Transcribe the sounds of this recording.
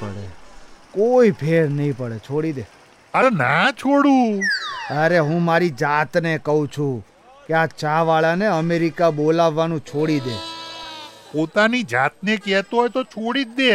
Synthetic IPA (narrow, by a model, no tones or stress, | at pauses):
pə̰ɽḛkoipʰeɾnəɦĩpəɽet͡ʃʰoɽid̪e | əɾnat͡ʃʰoɽũ | əɾeɦũmaɾid͡ʒat̪nekəɦũt͡ʃʰũ | keat͡ʃaʋaɭaneəmeɾikabolaʋːanũt͡ʃʰoɽid̪e | pot̪anid͡ʒat̪̚nekɛt̪oɦɔjt̪ot͡ʃʰoɽid̪e